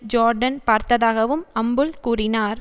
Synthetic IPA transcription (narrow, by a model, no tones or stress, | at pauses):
d͡ʒaːɾɖɐnpaːɾt̪ɐðaːɣɐʋɯmɐmbɯlkuːrɪnaːɾ